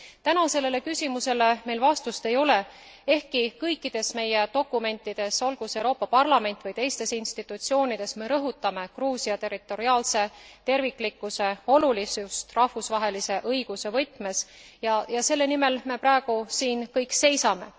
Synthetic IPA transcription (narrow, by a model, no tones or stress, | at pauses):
t̪ænɑse̞lːe̞le̞kysʲimuse̞le̞me̞jlvɑst̪ust̪e̞jo̞le̞ | e̞hkikɤjkːˑid̪̥e̞sme̞je̞t̪o̞kːˑume̞nʲt̪ːˑid̪̥e̞so̞lɡ̥use̞wɾo̞ːpːˑɑpɑrlɑme̞nʲt̪ːˑvɯjt̪e̞jst̪e̞sinst̪it̪ːˑut̪sio̞ːnid̪̥e̞sme̞ɾɤɦut̪ːˑɑme̞kruːsiɑt̪e̞rit̪ːˑo̞ɾiɑːlse̞t̪e̞rvikˑlikːˑuse̞o̞lulisust̪rɑhvusvɑɦe̞lise̞ʔɤjɡ̥use̞vɤjt̪ˑme̞sjɑjɑse̞lːe̞nime̞lme̞præːeɡ̥usiːnkɤjkse̞jsɑme̞̰